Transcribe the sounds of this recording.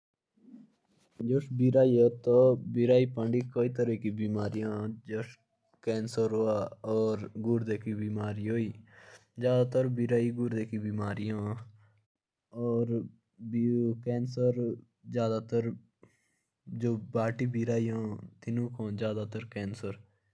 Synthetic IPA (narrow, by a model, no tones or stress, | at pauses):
d͡ʒoʃbiːɾaːiːaːt̪oːbiːɾaːiːpə̃ɳɖiːkoːiːt̪əɾəkiːbiːmaːɾijãːd͡ʒoʃ | kɛːnsəɾɦoːaːɔːɾɡʊɾd̪eːkiːbiːmaːɾiːɦoːiːd͡ʒjaːd̪aːt̪əɾbiːɾaːiːɡʊɾd̪eːkiːbiːmaːɾijãː | ɔːɾ | kɛːnsəɾ | d͡ʒjaːd̪aːt̪əɾ | d͡ʒoːbaːʈiːbiːɾaːijãːt̪ɪnũːkʰõːd͡ʒjaːd̪aːt̪əɾkɛːnsəɾ